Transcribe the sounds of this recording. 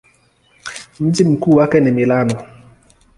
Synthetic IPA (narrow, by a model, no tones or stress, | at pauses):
m̩d͡ʒim̩kuwakɛnɛmilanɔ